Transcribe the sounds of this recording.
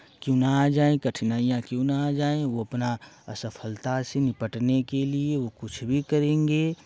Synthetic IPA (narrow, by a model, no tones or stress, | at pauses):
kjõːnad͡ʒaːẽkɐʈʰnaːijãkjõːnaad͡ʒaːẽʋoɐpna | ə̰səpʰəlt̪asenɪpəʈnekelieʋokʊt͡ʃʰbʱikəɾẽːŋɡeː